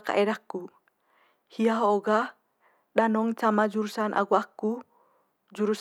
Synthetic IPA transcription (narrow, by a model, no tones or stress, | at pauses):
ka̰ʔɛdakːu | hiaɦooɡa | ɗanɔŋt͡ʃamad͡ʒuɾusanʔa̰ɡuakːu | d͡ʒuɾus